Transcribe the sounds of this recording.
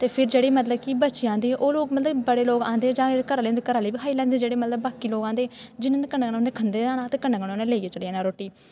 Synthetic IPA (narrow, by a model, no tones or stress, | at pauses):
t̪eːpʰɪɾd͡ʒeːɽiːmət̪ləb̚kibətːt͡ʃiãːnd̪iːʔoːloːɡmət̪ləbbəɽeːloːɡãːnd̪eːd͡ʒãːkəɾaːl̃ːnd̪eːkəɾaːliːbiːɦaːiːlɛ̃ːnd̪eːd͡ʒeːɽeːmət̪ləbːaːkiːloːɡãːnd̪eːd͡ʒɪnaːnekənɡʊnd̪eːkʰənd̪eːaːɽ̃ãːt̪eːkənɡəɽõnẽːleːieːt͡ʃəɽiaːnaːɾoːʈiː